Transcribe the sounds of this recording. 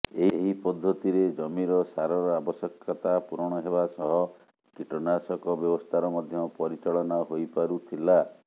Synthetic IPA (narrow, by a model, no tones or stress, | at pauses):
eɦɦipɔd̪ʱːot̪iɾed͡ʒɔmiɾɔsaɾɔɾɔabɔsjekʰːɔt̪apuɾɔɽ̃ɔɦebasɔɦɔ | kiʈɔnasɔkɔbjɔbɔst̪ʰaɾɔmɔd̪ʱjɔpɔɾit͡ʃɔɭɔnaɦojpaɾut̪ʰila